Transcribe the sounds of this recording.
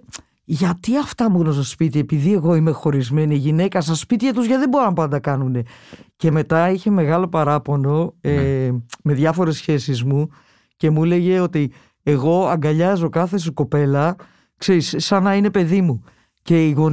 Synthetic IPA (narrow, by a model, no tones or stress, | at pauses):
ʝɐt̪iɐft̪ɐmuɣnos̬spit̪ie̞piðie̞ɣo̞ime̞xo̞ɾizme̞niːʝine̞kɐsɐspit̪iɐt̪uzʝɐðe̞bo̞ɾonɐpɐnd̪ɐkɐnune̞ce̞me̞t̪ɐiçe̞me̞ɣɐlo̞pɐɾɐpo̞no̞eme̞ðʝɐfo̞ɾe̞sçe̞sizmu | ce̞mule̞ʝe̞o̞t̪i | eɣo̞ɐŋɡɐʎɐzo̞kɐθe̞s̬uko̞pe̞lɐ | kse̞ɾisːɐnɐine̞pe̞ðimu | ce̞iɣo̞